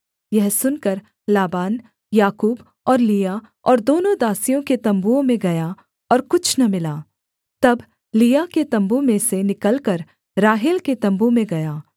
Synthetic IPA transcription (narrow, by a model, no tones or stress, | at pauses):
jɛɦsʊnkɐɾ | laːbaːn | jaːkuːb | ɔːɾliːja | ɔːɾd̪oːnõd̪aːsijõket̪ɐ̃mbuõmẽɡɐja | ɔːɾkʊt͡ʃʰnɐmɪlaː | t̪ɐb | lijaket̪ɐ̃mbumẽsenɪkəlkɐɾ | ɾaːɦɪlket̪ɐ̃mbumẽɡɐjaː